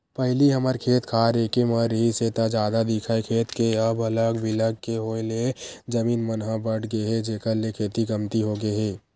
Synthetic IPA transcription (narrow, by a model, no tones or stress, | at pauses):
pɛɦliɦəməɾkʰeːt̪kʰaːɾeːkeməɾɦiset̪ad͡ʒaːd̪ad̪ɪkʰaekʰeːt̪keɐbɐləɡbɪləɡ̚keɦoːeled͡ʒəmiːnmənɦãbəʈʰɡəeɦɛd͡ʒeːkəɾlekʰeːt̪iɡəmt̪iɦoɡəeɦɛː